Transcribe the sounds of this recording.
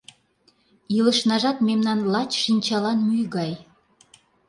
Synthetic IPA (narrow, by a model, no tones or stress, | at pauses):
iləʃnɑʒɑt̪memnɑnlɑt͡ɕʃinʲt͡ɕɑlɑnmyjɡɑj